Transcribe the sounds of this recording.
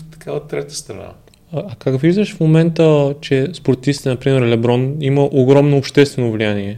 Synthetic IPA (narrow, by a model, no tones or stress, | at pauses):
t̪ɐ̥kaot̪ːɾɛt̪ə̥st̪ɾɐna̰ː | kakviʒd̪əʃfmomɛnt̪ət͡ʃɛspoɾt̪ifsit̪ɛnɐpɾimɛɾlɛbɾɔniməʔoɡɾɔmnoːpʃt̪ɛst̪vɛnovlianiɛ